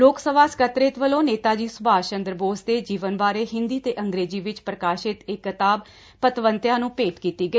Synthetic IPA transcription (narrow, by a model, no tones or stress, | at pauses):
loːksəʋaːsə̥kət̪ɾɪt̪ʋəlõːneːt̪aːd͡ʒiːsʊbʱaːt͡ʃə̃nd̪əɾboːsd̪eːd͡ʒiːʋənʋaːɾeːɦɪ̃nd̪iːt̪eːʔəŋɡɾeːd͡ʒiːʋɪt͡ʃpɾəkaːʃɪt̪ɪkːət̪aːb | pət̪ʋənt̪jãːnũːpeːʈkiːt̪iːɡəiː